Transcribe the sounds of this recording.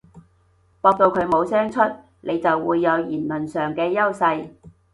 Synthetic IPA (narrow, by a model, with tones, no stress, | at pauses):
pɔː˧k̚t̪o˧wkʰɵ˨˧ɥmo˨˧wsɛː˥ŋt͡ʃʰɵ˥t̚ | nʔe˨˧jt͡sɐ˨wːṵː˨˧jːɐ˨˧wjiː˨˩nlɐ˨˩nsœː˨˩ŋkɛː˧jɐ˥wsɐ˧j